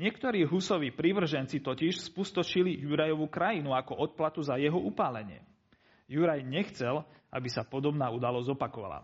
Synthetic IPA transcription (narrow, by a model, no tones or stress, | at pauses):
ɲɪɛkt̪ɔɾiːɦusɔʋiːpɾiʋr̩ʒɛnt͡sit̪ɔciʃspust̪ɔt͡ʃilijuɾajɔʋukɾajinuakɔʔɔt̪̚plat̪uzajɛɦɔʔupaːlɛɲɪɛ̰ | juɾajɲɛxt͡sɛla̰bisapɔd̪ɔbnaːud̪alɔzzɔpakɔʋa̰la̰